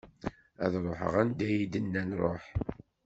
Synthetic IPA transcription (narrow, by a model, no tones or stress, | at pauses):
æ̰ðɾˤoħə̰ʁænd̪æjid̪ənːænɾˤo̰ħ